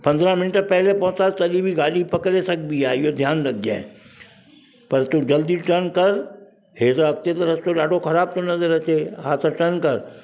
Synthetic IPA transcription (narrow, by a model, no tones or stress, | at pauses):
pɐ̃nd̪ɾamɪnʈəpɐɦlepɐ̃ɦʊ̃taːt̪ɐlibʱiɡaːlipɐkɾesɐɡbiaːɪɦod̪ʱjaːnlɐɡ̚d͡ʒã̰ː | pɐɾt̪ũd͡ʒɐld̪iʈəɾnkɐɾ | ɦeːt̪aɐk̚t̪et̪əɾɐst̪oɗaːɖʱokʰɐɾaːb̚t̪ʰonɐzəɾɐt̪eɦaːt̪ʰaʈənkɐɾ